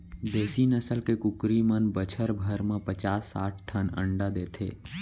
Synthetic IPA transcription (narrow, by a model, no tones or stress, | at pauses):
d̪eːsinəsəlkekʊkɾimənbət͡ʃʰəɾbʱəɾmẽpət͡ʃaːsːaːʈ̚ʰʈʰənə̰ɳɖad̪eːt̪ʰḛː